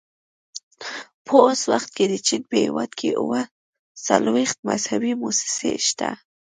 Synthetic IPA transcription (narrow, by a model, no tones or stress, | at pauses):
pʰəoswaxt̪̚ked̪ət͡ʃinpəhewɑd̪kʰeʔuwa | salwext̪̚mazhabimosɪ̥seʃt̪a